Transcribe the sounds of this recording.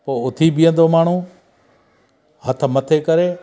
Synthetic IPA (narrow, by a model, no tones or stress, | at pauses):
poːʊt̪ʰibɪjə̃nd̪oːmaːɳ̤ũː | hət̪̆ʰmət̪ʰekəɾeː